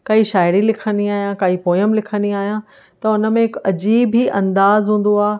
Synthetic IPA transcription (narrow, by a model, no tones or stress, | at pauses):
kɐiʃaːɪɾilɪkʰənd̪iaːɦijãkaːipoːjəmlɪkʰə̃nd̪iaːɦijã | t̪ɐʊnə̆mẽɦɪkɐd͡ʑiːbɦiʔɐ̃nd̪aːzɦũːn̆d̪oaː